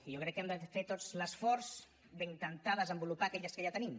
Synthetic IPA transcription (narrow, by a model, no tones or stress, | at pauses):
ijokɾɛkːɛmd̪əfet̪ozləsfɔɾz | d̪əŋk̪ant̪aðəzəmbulupakɛʎəskəʒat̪ənim